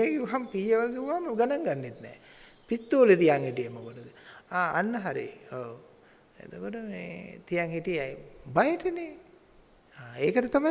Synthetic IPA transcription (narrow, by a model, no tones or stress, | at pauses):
eɡeuɦampiːɐʋalɡeuʋamɡanɐŋɡanːit̪nɛ̰ː | pit̪ːoːlet̪ijaŋhiʈijemokoʈud̪əaːa̰nːɐɦaɾḭo | ḛd̪okoʈəmḛːt̪ijaŋhiʈijajbajeʈɐne | aːeːkəʈɐt̪ama